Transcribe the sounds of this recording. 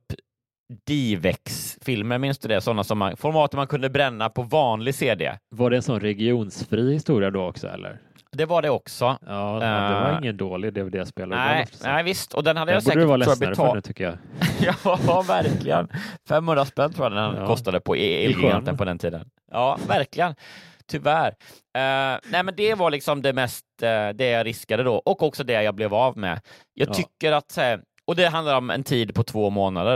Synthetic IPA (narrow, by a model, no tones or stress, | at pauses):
pː | d̪̥iːvɛksfɪlməɾmɪnsd̪ɵd̪ɛsɔnːasɔmːa̰nfɔɾmɑːt̪əmankʰɵnd̪əbɾɛnːapʰɔvɑːnlɪɡseːd̪ḛvaɖɛnsɔnɾɛɡɪuːnsfɾiːhɪst̪uːɾɪad̪oɔksɔ̰ɛ̰lːə̰ɾ | d̪ɛvaɖɛɔksɔɑːd̪ɛvaɾɪŋːənd̪oːlɪd̪ɛd̪ɛjaspeːlanæɪnæɪvɪst̪ʰɔd̪ɛnhad̪ːəjasbuɛːkːəəvɑːlɛbɛɾəɛt̪ʰʏkːəjɑ̰jɑavæɾklɪɡə̰nfɛmhɵnd̪ɾaspɛnt̪ʰɾuːjandɛnkʰɔst̪ad̪əpʰɔɪɡɛnt̪ənpʰɔd̪ɛnt̪ʰiːd̪ə̰n | ʔɑːvæɾklɪɡənt̪ʰʏvæɾ | nɛɪmɛnd̪ɛvaɾɭɪksɔmd̪ɛmɛst̪d̪ɛjɑːɾɪskad̪əd̪ɔʔɔkɔksɔd̪ɛjɑblɛvavmɛ̰ | jʔɑːɡt̪ʏkːəɾat̪sæːɾ | ɔd̪ɛɦand̪laɾɔmɛ̰nt̪ʰiːd̪pʰɔt̪ʰvoːmoːnad̪əɾ